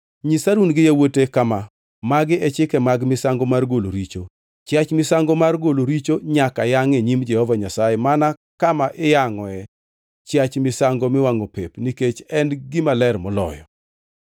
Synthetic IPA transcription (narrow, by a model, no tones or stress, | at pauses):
ɲisaɾunɡɪjawotekama | maɡɪɛt͡ʃɪkɛmaɡmɪsaŋɡomarɡoloɾit͡ʃo | t͡ʃjat͡ʃmɪsaŋɡomarɡoloɾit͡ʃoɲakajaŋeɲimd͡ʒɛhɔvaɲasajemana | kamaʔɪjaŋɔɛ | t͡ʃjat͡ʃmɪsaŋɡomɪwaŋopepniket͡ʃɛnɡɪmalɛrmɔlɔ̰jɔ̰